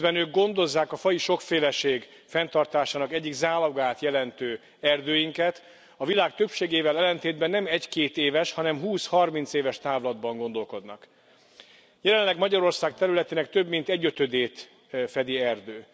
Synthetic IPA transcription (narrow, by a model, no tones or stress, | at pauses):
bɛnøːɡɡo̞nd̪o̞zːaːkɒfɒjiʃo̞kfeːlɛʃeːɡ | fɛnt̪ɒrt̪aːʃaːnɒkɛɟːiɡzaːloɡaːt̪jɛlɛnt̪øː | ɛrd̪øːjiŋkɛt̪ | ɒvilaːk̚t̪ø̞pʃeːɡeːvɛlɛlɛnt̪eːd̪̚bɛnːɛmɛckeːt̪eːvɛʃhɒnɛmɦuːshɒrmint̪seːvɛʃt̪aːvlɒd̪bɒŋɡo̞nd̪o̞lko̞d̪nɒ̰k | jɛlɛlɛɡmɒɟɒɾo̞rsaːk̚t̪ɛɾylɛt̪eːnɛkt̪ø̞bmint̪ɛɟːø̞t̪ø̞d̪eːt̪ | fɛd̪iɛrd̪øː